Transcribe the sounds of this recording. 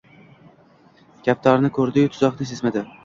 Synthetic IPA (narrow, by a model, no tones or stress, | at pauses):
ɡʲap̚t̪ʰɒɾnɪkʰɵɾd̪ɪjʊt̪ʰʊzɒqnɪsesmad̪ɪ